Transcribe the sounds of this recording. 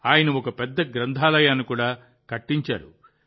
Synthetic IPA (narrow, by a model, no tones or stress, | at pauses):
aːjɐnɐɔkɐpɛd̪ːɐɡɾɐnd̪ʰʱaːlɐjaːnːikuːɽaː | kɐʈːiɲt͡ʃa̰ːɾṵ